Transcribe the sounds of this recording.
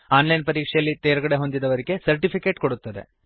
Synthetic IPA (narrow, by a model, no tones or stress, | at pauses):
aːnlɐjnpɐɾiːkʂɐjɐlːit̪eːɾɐɡɐɽe̞ɦo̞nd̪id̪ɐʋɐɾiɡe̞sɐɾʈipʰikeːʈko̞ɽut̪ːɐd̪e̞̰